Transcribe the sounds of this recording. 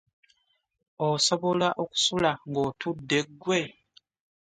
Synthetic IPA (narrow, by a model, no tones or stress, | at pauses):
oso̞βolaʔoku̥sulaŋɡotʰudːe̞ɡwe